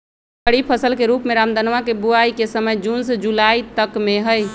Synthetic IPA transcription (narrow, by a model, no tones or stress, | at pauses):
əɽipʰəsəlkeɾupmeɾamd̪ənʋakebuaikesəməjd͡ʒunsd͡ʒulait̪əkmeɦəj